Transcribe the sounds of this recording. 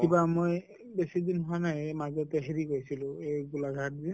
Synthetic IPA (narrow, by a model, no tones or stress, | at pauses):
kibamoj | besid̪inɦʊwanajmazɔtɛɦeɹikojsilʊ̃ejɡulaɡʱat̚zɛ